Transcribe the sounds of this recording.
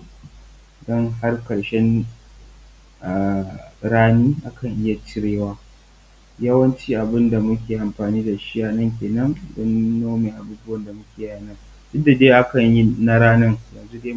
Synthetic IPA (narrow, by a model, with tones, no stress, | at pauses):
dɔ˦ŋɦa˦rkɐ˨ɽʃɛ˦n | ʔa˨ɽaː˦niː˦ʔa˦kɐ˨ŋʔɪ˦ja˨t͡ʃɪ˦ɽeː˦waː˦ | jɐ˦wɐ˦nt͡ʃiː˦ʔa˨bɪ˦nda˨mʊ˦k̬ʲeː˨ʔa˨mɸaː˨niː˦da˨ʃi˦jaː˨nɐ˦ŋk̬ʲeː˨nɐ˦ndɔ˦nːo˦meː˨ʔa˨buː˦bʊ˦wɐ˨nda˨mʊ˦kʲeː˨jaː˨nɐ˦n | dʊ˦dːa˨deː˦ʔa˦kɐ˨ɲji˦na˦ɽaː˦nɐ˦ŋjɐ˨nzu˦deː˦